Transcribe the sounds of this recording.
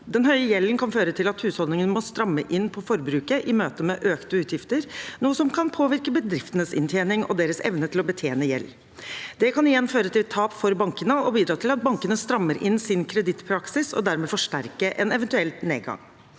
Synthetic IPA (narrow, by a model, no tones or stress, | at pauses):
d̪ɛnɦœʏəjɛlːənkʰɑnføːɾət̪ʰɪlɑt̪hʉːshɔld̪ɪŋənmɔst̪ɾɑmːəʔɪnːpʰɔfɔɾbɾʉːkəʔɪmøːt̪əmɛʔøːkt̪əʉːt̪jɪft̪əɾnuːəsɔmkʰɑnpʰoːʋɪɾkəbəd̪ɾɪft̪ənəsɪ̰nt̪ʰjeːnɪŋʔɔ̰d̪eːɾəsɛ̰ʋnət̪ʰɪlɔbət̪ʰeːnəjɛ̰lː | d̪̥ɛkʰɑnɪjɛnføːɾət̪ɪlt̪ʰɑːpfɔɾbɑŋkənəɔbiːd̪ɾɑːt̪ʰɪlɑt̪̚bɑŋkənəst̪ɾɑmːəɾʔɪnsɪnkʰɾɛd̪ɪt̪ːpʰɾɑksɪsɔ̰d̪æɾmɛːfɔʂʈæɾkəʔɛnɛʋɛnt̪ʉɛlt̪nḛːd̪ɡɑ̰ŋ